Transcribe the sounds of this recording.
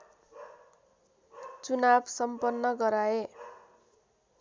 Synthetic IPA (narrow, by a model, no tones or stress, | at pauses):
t͡sunabsʌmpʌnːʌɡʌɾae